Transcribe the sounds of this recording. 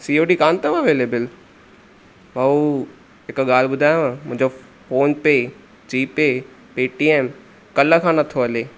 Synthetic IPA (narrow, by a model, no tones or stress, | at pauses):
siːoːɖiːkaːnt̪əmɐʋeːleːbəl | ʋɐu | ɦɪkɠaːlbʊd̪ʱaːjoãːmʊ̃ɪ̃ɲd͡ʑo | foːnpeː | d͡ʑiːpeː | piːʈiːeːm | kɐləkʰãːnɐt̪ʰoɐleː